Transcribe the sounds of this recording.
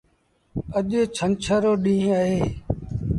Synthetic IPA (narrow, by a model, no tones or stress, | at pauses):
əʄeːt͡ʃʰənt͡ʃʰaːɾoːɗĩːɦəːɦeː